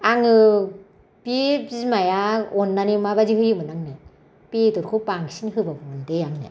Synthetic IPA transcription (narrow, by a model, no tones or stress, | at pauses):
aŋɯ | pibzmajaɔnːanimabaziɦɯjɯmɯnaŋnɯ | pedɔɾkʰɯpaŋsinhɯbabɯmɯndejaŋnɯ̰